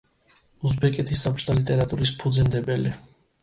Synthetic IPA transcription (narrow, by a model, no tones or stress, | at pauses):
uzbɛkʼɛt̪ʰisːapʰt͡ʃd̪ʰalit̪ʼɛɾat̪ʼuɾis̬pʰud̪zɛnd̪ɛbɛli